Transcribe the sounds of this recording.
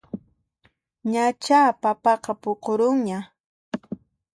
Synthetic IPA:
ɲat͡ʃaːpapɑqɑpoqoɾʊŋɲa

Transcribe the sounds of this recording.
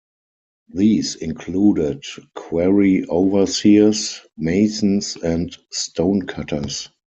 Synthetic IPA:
ðiːsɪ̃nkʰluːdɪdkʰwɛɹiʔoʊvə˞sismeɪsn̩sɛ̃ntstʰõʊ̃nkʰatʰə̰˞s

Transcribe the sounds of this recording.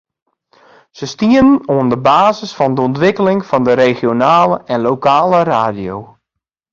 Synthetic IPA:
səstiənənoəndəbaːzəsfɔndəɔntʋɪkəlɪŋfɔndəɾeχjonaːləʔɛnlowkaːləraːdjow

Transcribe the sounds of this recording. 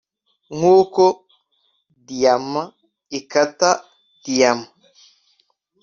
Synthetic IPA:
ŋoːkɔ | dijamːa | ikatːa | d̥ijama

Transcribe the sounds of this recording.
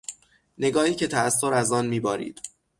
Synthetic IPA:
ne̞ɡɒːhiːcʰe̞t̪ʰæːst̪ːoɾæzɒːnmiːbɒːɾḭːd̪̥

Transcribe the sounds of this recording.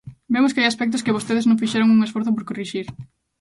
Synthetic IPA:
bemʊskɪajaspɛk̚t̪̬ʊskɪβ̞ost̪eðeznõŋfiʃɛɾoŋuŋesfoɾθʊp̬oɾkoriʃiɾ

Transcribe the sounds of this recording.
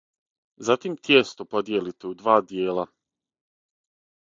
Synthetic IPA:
zat̪imt̪jest̪opod̪jelit̪eud̪ʋaːd̪jeːlˠa

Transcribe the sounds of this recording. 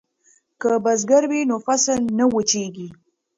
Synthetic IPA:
kəbazɡaɾwinofasəlnawət͡ʃeɡi

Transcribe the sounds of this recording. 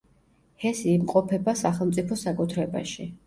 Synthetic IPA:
hɛsiːmqʼɔpʰɛbasaχɛlˠmt̪sʼipʰɔsakʼut̪ʰɾɛba̰ʃi

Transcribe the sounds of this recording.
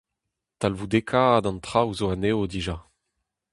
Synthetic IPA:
talvud̪ekʰad̪ɑ̃nt̪χawzoaneod̪iʒa

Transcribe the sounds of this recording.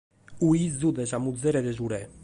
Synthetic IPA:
uizzud̪ɛʒamud̪zɛɾɛd̪ɛʒuɾɛ

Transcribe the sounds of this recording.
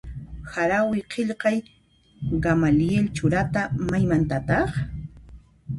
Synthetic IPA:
haɾawɪqeʎqɑj | ɢamalɪelt͡ʃʊɾat̪amajmant̪at̪ɑχ

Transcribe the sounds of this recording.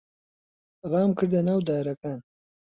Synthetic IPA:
rˤɑːmkʰɨɾd̪ɐnaːwd̪aːɾɐkaːn

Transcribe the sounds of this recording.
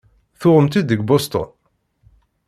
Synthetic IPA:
θʊʁəmt̪id̪əɡbɔst̪ɔ̰n

